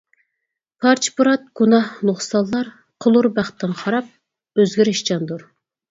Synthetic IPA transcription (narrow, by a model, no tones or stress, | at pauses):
pʰɑɾt͡ʃʰpuɾɑt̪̚ɡ̥unɑhnoχsɑlˠːɑɾ | qʰəlˠuɾbæχt̪ʰːɪnχɑɾɑp̚ | øzɡʲiɾɪʃt͡ʃɑnd̪uɾ